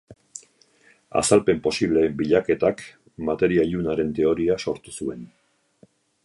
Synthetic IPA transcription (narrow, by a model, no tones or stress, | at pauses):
a̰salpe̞mpo̞siβle̞biʎake̞t̪ak | mat̪e̞ɾiaiʎunaɾe̞nt̪e̞o̞ɾiaso̞ɾt̪u̥sue̞n